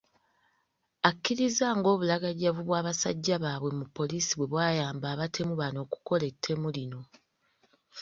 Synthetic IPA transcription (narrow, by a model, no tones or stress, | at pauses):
akːiɾizaːŋɡo̞ːβulaɡaɟavuβwaːβasa̰ɟːaβaːβwe̞mupːo̞liːsiβwe̞βwaːjaːmbaːβatʰe̞muβano̞ːku̥ko̞le̞tʰːe̞mulino̞